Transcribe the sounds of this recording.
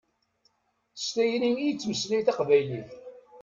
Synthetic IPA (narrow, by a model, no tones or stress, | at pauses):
st̪æjnimijt͡sːməslijθɑqvæjliθ